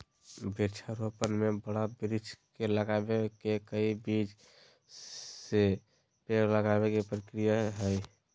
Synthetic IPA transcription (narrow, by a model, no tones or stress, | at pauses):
biɾt͡ʃʰaɾopənmebəɽabɾit͡ʃʰkeləɡabekekəibid͡ʒ | se | peɾləɡabekepɾəkɾijaɦəj